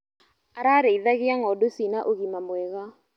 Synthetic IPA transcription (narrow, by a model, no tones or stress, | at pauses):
aɾaɾeiðaɣɪaŋɔdosinaʔoɣimamwɛɣa